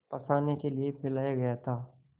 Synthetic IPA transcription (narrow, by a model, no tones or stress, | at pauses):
pɐsaːnekeliepʰɪlaːjaɡɐjat̪ʰaː